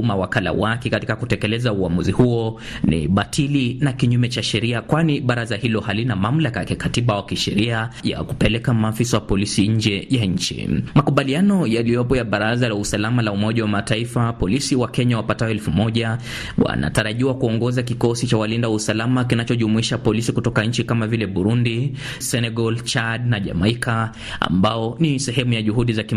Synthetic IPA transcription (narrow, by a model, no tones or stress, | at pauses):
mawakala̰wakɛkatikakutɛkɛlɛzauamuzihuɔ | nḭɓatʰilinakiɲumɛt͡ʃaʃɛɾiakwaniɓaɾazahilɔhalinamam̩lakakikatiɓawakiʃɛɾiaja̰ku̥pɛlɛkamaːfisawapɔlisiɲ̩d͡ʒɛjaɲ̩t͡ʃḭmakuɓalianɔjalijɔpɔjaɓaɾazalausalamalaumɔʄawamataifapɔlisiwakɛɲawapatajɔɛlfumɔʄa | wa̰na̰taɾaʄiwakuɔŋɡɔzakikɔsit͡ʃawalindawusalamakinat͡ʃɔʄumuiʃapɔlisikutɔkaɲ̩t͡ʃikamavilɛɓuɾundi | sɛnɛɡɔlt͡ʃadnaʄa̰maikʰa | a̰mbaɔnisɛɦɛmujaʄuɦuɗizaki